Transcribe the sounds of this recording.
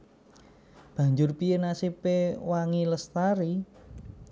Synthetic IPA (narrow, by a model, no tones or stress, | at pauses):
b̥ä̤ɲd͡ʒʊrpiənasipewaŋiləst̪aɾi